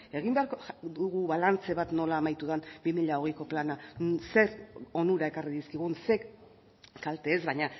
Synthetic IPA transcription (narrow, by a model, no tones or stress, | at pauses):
e̞ɣ̞imbeaɾkouɣuβalant͡se̞βat̪no̞laːmajt̪uðanbimiʎao̞ɣejko̞planase̞ɾo̞nuɾaekariðiskiɣ̞unse̞k | kalt̪e̞ːzβajɲa